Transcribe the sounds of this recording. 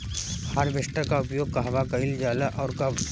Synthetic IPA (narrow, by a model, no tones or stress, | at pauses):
haɾʋesʈəɾkaʊpjoːɡ̚kaɦʋakɐild͡ʒaːlaʔɔːɾka